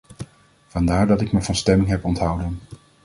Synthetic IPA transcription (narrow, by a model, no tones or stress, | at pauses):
v̥ɑndaːɹdɑtɪkməvɑnstɛmɪŋɦɛpɔntɦʌwdən